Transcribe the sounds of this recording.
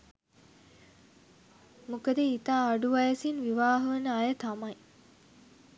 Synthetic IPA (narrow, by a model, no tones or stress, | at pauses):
mukəd̪əit̪aːɖuʋɐjəsinʋiʋaːɦəʋɐnəajət̪amɐj